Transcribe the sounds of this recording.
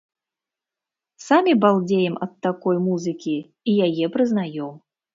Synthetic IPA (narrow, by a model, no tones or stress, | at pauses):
samʲibalˠd͡zʲejɛmɐt̪ːakɔjmuzɨkʲi | ijajɛpɾɨznajɔm